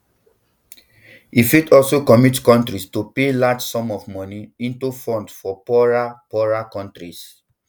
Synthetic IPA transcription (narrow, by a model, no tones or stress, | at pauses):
ifidɔlsokɔmitkɔ̃ntɹistupelad͡ʒsɔ̃mɔvmɔniĩntufɹɔ̃ntfɔpɔɹapɔɹakɔ̃ntɹis